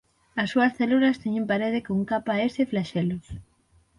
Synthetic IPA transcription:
ɐsːuɐsθeluɾɐst̪eɲempaɾeð̞ekouŋkapaeseflaʃelos

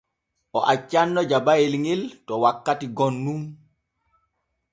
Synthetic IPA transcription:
ʔɔʔat͡ʃːanːɔd͡ʒabajilŋiltɔwakːatiɡɔnːum

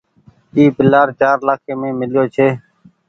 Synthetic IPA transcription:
iːpɪlaːɾt͡ʃaːɾlaːkʰeːmẽːmɪlɪjoːt͡ʃʰeː

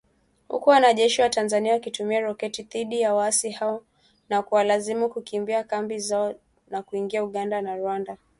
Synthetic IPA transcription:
hṵkuwanaʄɛʃiwatanzaniawakitumiaɾɔkɛtiðiɗijawaasihaɔ | nakuwalazimukukimbiakambizaɔ | nakuiŋɡiauɠandanaɾuwanda

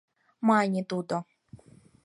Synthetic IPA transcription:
manʲit̪ud̪ɔ

